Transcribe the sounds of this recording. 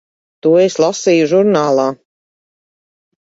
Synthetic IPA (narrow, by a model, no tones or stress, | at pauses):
t̪uːeslˠasiːjuʒuɾnaːlˠaː